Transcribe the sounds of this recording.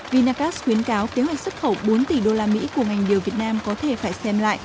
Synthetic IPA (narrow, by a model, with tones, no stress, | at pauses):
vi˨˩naː˧kaː˦˥sxwi˨˦ənkaː˨˦wke˨˦ɦwa˨˩k̚sə˦˥t̚xə˧˩wɓo˨˦nt̪i˧˩ɗo˧laː˧mḭ˧˥ku˧˩əŋa˨˩jŋ̟ɗi˨˩əwvi˨˩ət̚naː˧mkɔ˨˦t̪ʰe˧˩faː˧˩jsɛ˧mla̰ː˧˨jʔ